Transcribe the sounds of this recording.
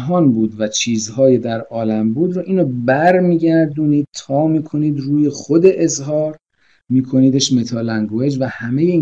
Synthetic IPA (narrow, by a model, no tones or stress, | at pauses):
ɦɒːnbuːd̪væt͡ʃʰiːzhɒːjed̪æɾɒːlæmbuːd̪ɾɔːʔiːnobæɾmiːɟæɾd̪uːniːd̪̥̚t̪ʰɒːmiːkʰo̞niːd̪ruːjeχod̪e̞ʔezɦɒːɾ | miːkʰo̞niːd̪eʃme̞t̪ʰɒːlæŋɡoed͡ʒvæhæme̞jei